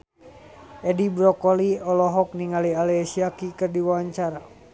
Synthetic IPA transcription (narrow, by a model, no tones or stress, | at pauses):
ɛdibɾɔkɔliɔlɔɦɔk̚niŋalialɛsiakikɨrdiwawaɲt͡ʃaɾa